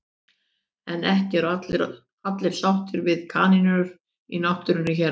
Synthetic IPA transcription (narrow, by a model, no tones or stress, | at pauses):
ɛnɛhcɪɛɾ | at̪lɪɾ̥sawht̪ʏɾvɪðkʰaːninʏɾ | inɔht̪ʏɾʏnːʏçɛɾ